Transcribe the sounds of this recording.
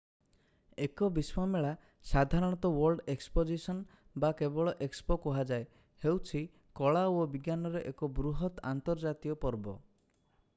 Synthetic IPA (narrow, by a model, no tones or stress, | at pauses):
ekɔbiswameɭa | sad̪ʱaɾɔɽ̃ɔt̪ɔwɔɾɖekspod͡ʒisɔn | bakebɔɭɔʔekspokɔɦad͡ʒae | hewt͡ʃʰi | kɔɭaobiɡjanɔɾeʔekɔbɾuɦɔt̪ant̪ɔɾd͡ʒat̪ijɔpɔɾbɔ̰